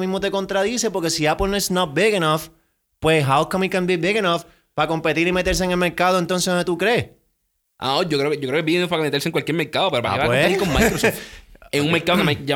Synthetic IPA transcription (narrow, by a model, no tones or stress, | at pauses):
mĩzmot̪e̞ko̞nt̪ɾaðisepo̞ɾke̞siapolnoesnat̪̚biɣenaf | pweɦawkãmikãmbibiɣenaf | pako̞mpet̪iɾimet̪eɾs̬eŋelme̞ɾkaðoe̞nt̪o̞nseet̪ukɾe | ʔa̰od͡ʒokɾeokejokɾekebiɣenafpakemet̪eɾseŋkwalkjeɾmeɾkaðopeɾopaa̰akeet̪iɾkomma̰ɾos | eŋuŋmeɾkaðokemad͡ʒa